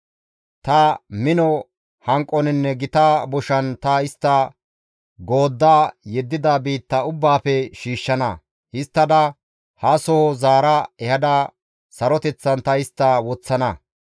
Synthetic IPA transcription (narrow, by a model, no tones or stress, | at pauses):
t̪ɐmɪnɔ | hɐŋkʼːɔnɪnːɛɡɪt̪aːbɔʃɐnt̪ɐɪst̪ːɐ | ɡoːd̪ːaːjɛd̪ːɪd̪abiːt̪ːɐʊbːaːpɛʃiːʃːɐnɐ | hɪst̪ːɐd̪ɐ | hɐsɔhɔzaːɾɐɛhɐd̪ɐ | sɐɾɔt̪ɛt͡sːɐnt̪ɐɪst̪ːɐwɔt͡sːɐnɐ